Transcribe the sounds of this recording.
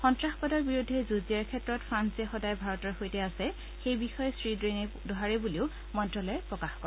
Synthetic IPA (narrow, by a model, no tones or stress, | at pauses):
xɔntɹaxpɔdɔɹbiɹudʱːɛzuziaɹkʰɛtɹɔtfʰɹansɛxɔdajbʱaɹɔtɔɹxojtɛasɛ | xejbixɔjɛsɹidɹenɛ | dɔɦaɹɛbuliʊ | mɔndɹɔlɔɛpɹɔkaxkɔɹɛ